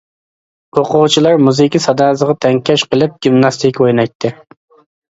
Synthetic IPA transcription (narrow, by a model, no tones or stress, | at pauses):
oqʰʊwt͡ʃʰilˠɑɾmuzɨkʲisɑd̪ɑːzəʁɑt̪ʰɛŋkʲʰɛʃqəlˠɨp̚ɡʲimnɑst̪ʰɪkʲojnɑjt̪ʰːɨ